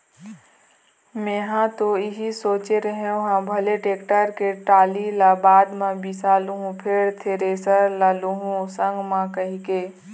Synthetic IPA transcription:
mẽːɦãt̪oɪɦisoːt͡ʃeɾəɦeõɦãbʱɐleʈeːkʈəɾkeʈaːlilabaːd̪mãbisaːluɦũpʰeːɾt̪ʰeɾesəɾlaluɦũsə̃ŋɡmãkɐɦikeː

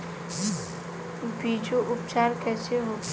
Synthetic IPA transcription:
biːd͡ʒoʔʊpt͡ʃaːɾkɛːseɦoːt̪

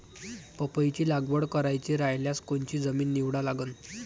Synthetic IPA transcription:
pəpəjt͡ɕiːlaɡʋəɽkəɾajt͡ɕiɾajljaskont͡ɕiːd͡zəmiːnːiʋɽalaɡən

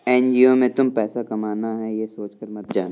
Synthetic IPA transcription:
ɛːnd͡ʒiomẽt̪ʊmpɛːsakɐmaːnaɦɛ̃jesoːt͡ʃkəɾmɐt̪̚d͡ʒaːn

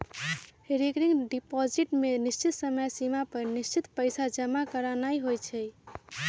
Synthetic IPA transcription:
heɾikɾiŋɡɖipɔd͡ʒiʈmenist͡ʃit̪səməjsimapəɾnist͡ʃit̪pəjsad͡ʒəmakəɾanaiɦojt͡ʃʰɛ

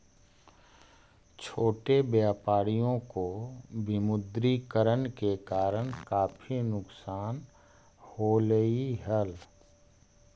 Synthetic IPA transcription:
t͡ʃʰoːʈebjaːpaːɽijõkobɪmʊd̪ɾikəɾənkekaːɾəɽ̃kaːpʰinʊksaːn | holəiɦəl

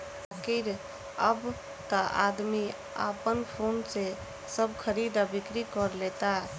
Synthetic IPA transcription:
kiɾ | əb | t̪aʔa̰d̪mi | a̰pənpʰonse | səbkʰəɾid̪abɪkɾikɔɾlet̪a

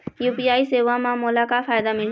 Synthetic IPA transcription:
juːpiaːiseːʋamãmolakafʰaːjd̪amɪl

